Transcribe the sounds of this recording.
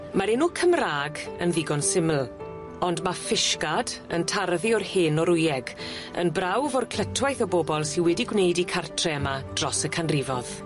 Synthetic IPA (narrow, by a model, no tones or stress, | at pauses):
maɾɛnukʰəmraːɡənðɪɡɔnsɪml̩ˠ | ɔndmafɪʃkadə̰ntʰarðiɔrheːnɔɾʊjɛɡ | ə̰nbrawvɔrkʰl̥ˠətʰwajθəboːbɔlˠsiwɛdiɡwnejdikʰartʰrɛəmad̥rɔsəkʰanrɪvɔð̥